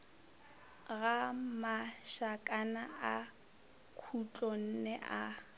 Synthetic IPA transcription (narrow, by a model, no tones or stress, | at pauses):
ɣamaʃakʼanaa | kʰut͡ɬʼɔn̩nɛʔa